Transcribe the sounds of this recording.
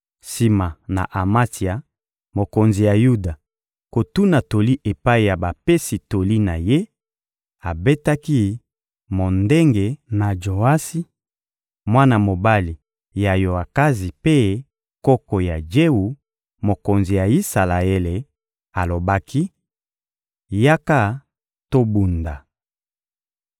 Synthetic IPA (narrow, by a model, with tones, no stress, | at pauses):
si˨ma˨na̰˨ʔa˨ma˦ti˨a˨ | mo˨ko˨nzi˨ja˨ju˦da˨ | ko˨tu˦na˨to˨li˦ʔe˨pa˦i˨ja˨ba˨pe˦si˨to˨li˦na˨je˦ | a˨be˦ta˦ki˦ | mo˨nde˦ŋɡe˨na˨d͡ʒo˨a˦si˦ | mwa˦na˨mo˨ba˦li˨ | ja˨jo˨a˨ka˦zi˨pe˦ | kɔ˦kɔ˨ja˨d͡ʒe˦wu˨ | mo˨ko˨nzi˨ja˨i˦sa˨la˨e˦le˨ | a˨lo˨ba˦kʰi˦ | ja˦ka˦ | to˦bu˨nda˨